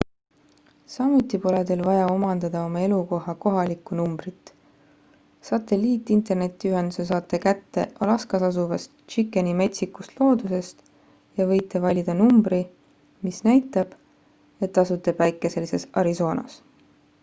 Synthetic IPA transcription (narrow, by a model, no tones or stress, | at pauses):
sɑmut̪ːˑipo̞led̪elvɑjɑo̞mɑnd̪̥ɑd̪̥ɑo̞mɑe̞luko̞ɦɑko̞ɦɑlikːˑunumbrit̪ː | sɑt̪ːˑe̞liːt̪ːˑint̪e̞rne̞t̪ːˑiyɦe̞nd̪̥use̞s̬ɑːt̪ːˑe̞kæt̪ːe̞̰ʔolɑskɑsɑsuvɑst̪t͡ʃikːˑenime̞t̪ʲsikːust̪lo̞ːd̪̥use̞st̪ | jɑvɤ̞jt̪ːˑevɑlʲid̪̥ɑnumbɾi | misnæjt̪ːˑɑb̥ | e̞t̪ːˑɑsut̪ːˑeb̥væjkːˑese̞lːise̞sɑɾiso̞ːnɑ̰s